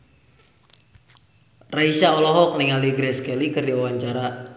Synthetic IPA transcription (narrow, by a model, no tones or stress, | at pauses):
raisaɔlɔɦɔk̚niŋaliɡɾɛskɛlikɨrdiwawaɲt͡ʃaɾa